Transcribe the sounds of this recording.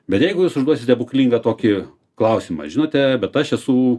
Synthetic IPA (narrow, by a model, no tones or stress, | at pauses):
bʲɛt̪jɛɪɡʊjuːsʊʒd̪uɔsʲɪt̪ʲɛbʊkʲlʲiːŋɡɐt̪oːkʲɪ | klˠɐʊsʲɪmɐ̰ʒʲɪnoːt̪ʲɛbʲɛt̪ɐʃɛsuː